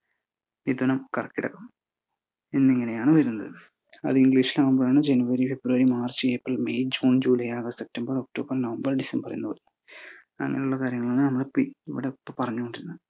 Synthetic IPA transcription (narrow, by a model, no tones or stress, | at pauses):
id̪onɐmkɐrɐkːiɽɐ̰kːɐm | enːeŋːɐnejaːɳɨʋɐɾunːɐðɨ | ɐ̰ðɨiŋɡliːʂilaʋumbɐɭaːɳɨd͡ʑenuʋɐɾifebɾuɐɾimaːrt͡ɕijeːpːrilmejd͡ʑuːnd͡ʑuːlɐjaːɣɐsep̚ʈɐmbɐrok̚ʈo̞ːbɐrnɐʋɐmbɐrɖisempɐrɐ̰junːupɐɾunːɐ | ɐ̰ŋːɐ̰neuɭːɐkaːɾjɐŋːɐɭonːɨnɐmːɐɽepːḭiʋḭɽepːopɐrɐɲːuko̞ɳɖiɾunːɐð